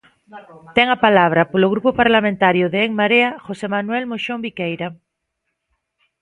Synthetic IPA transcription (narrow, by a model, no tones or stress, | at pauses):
t̪eŋapalaβ̞ɾapoloɣ̞ɾupopaɾlamẽnt̪aɾjoðeeŋmaɾeaxosemanwɛlmoʃombikejɾa